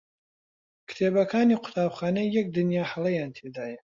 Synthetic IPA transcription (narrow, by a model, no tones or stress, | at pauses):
kʰɨ̥t̪ʰeːbɐkʰaːniqʰʊ̥t̪ʰaːbxaːnɐjɛk̚d̪ɨnjaːħalˠɐjaːnt̪ʰeːd̪aːjɐ